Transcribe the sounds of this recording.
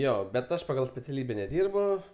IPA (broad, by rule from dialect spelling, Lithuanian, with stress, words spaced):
ˈjoː bʲɛt ˈɐʃ pɐɡɐlˠ sʲpʲɛt͡sʲɛˈlʲiːbʲɛ nʲɛˈdʲiːrbʊ